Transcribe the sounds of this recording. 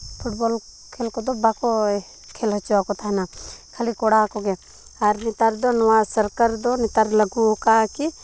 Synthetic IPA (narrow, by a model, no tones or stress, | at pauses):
pʰuʈ̚bol | kʰelkɔd̪ɔbakɔ | kʰelɦɔt͡ʃakɔt̪ʰaɦnakʰəlikɔɽakɔɡe | aɾnit̪aɾd̪ɔnɔwasəɾkəɾd̪ɔnit̪aɾləɡukaki